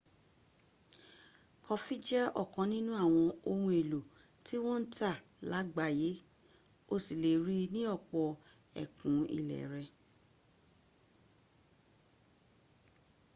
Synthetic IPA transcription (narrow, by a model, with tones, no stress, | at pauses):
kʰɔ˧fi˦d͡ʒɛ˦ɔ̰˦˨kɔ̃˨˧˦nĩ˦nũ˦a˦˨w̃ɔ̃˧o˧hũ˧e˨lo˨ | ti˦w̃ɔ̃˦n̩˦ta˦˨ | la˨˦ɡ͡ba˦˨je˨˦ | o˧si˨le˨ɾi˦nĩ˦ɔ˦˨k͡pɔ˧ | ɛ̰˨kũ˨˦ḭ˨lɛ̰˨ɾɛ˧